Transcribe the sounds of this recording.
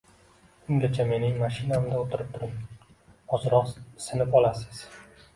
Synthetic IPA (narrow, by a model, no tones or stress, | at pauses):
ʊŋlʲat͡ʃʰame̞nɪŋmaʃɪnamd̪aot̪ʰɪɾɪp̚t̪ʰʊɾɪŋ | hɒzɨɾɒqsɪnɪpɒlˠasɪ̥z̥